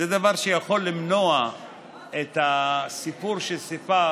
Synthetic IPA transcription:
ed̪avaʁʃejaχo̞lːimno̞a | et̪asipuʁʃesifa

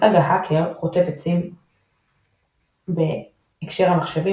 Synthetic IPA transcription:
aɡaɦakʰeʁχot̪et̪et͡sin | beː | kʃe̞ʁhamaχʃevi

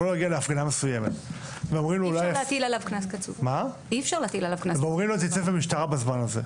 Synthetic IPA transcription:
oleaɡialeafʁinamesujemet̪veomʁimloulajjlat̪ilalavknaskat͡sṵvma | ifʃaʁlaat̪ilalavknaveomʁimlotjit͡sevemiʃtaʁabazmanazḛ

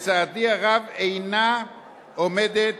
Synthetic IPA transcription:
t͡sad̪iaɣaβejna | omed̪e

